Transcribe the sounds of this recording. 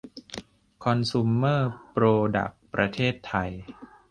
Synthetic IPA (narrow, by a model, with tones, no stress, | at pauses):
kʰɔ˧nsu˧mːɤː˥˩pɾoː˧da̰˨˩k̚pɾʔa˧t̪ʰeː˥˩t̪ʰːa˧j